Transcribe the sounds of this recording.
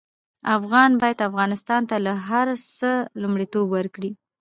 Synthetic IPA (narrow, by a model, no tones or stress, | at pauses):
afɣɑnbɑjad̪afɣɑnɪst̪ɑnt̪alaɦaɾsəlumɽet̪obwəɾkɽi